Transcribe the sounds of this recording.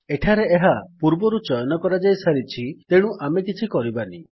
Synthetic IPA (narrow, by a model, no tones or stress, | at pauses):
eʈʰaɾeeɦapuɾbɔɾut͡ʃɔjɔnɔkɔɾad͡ʒajsaɾit͡ʃʰit̪eɽ̃uʔamekit͡ʃʰikɔɾibani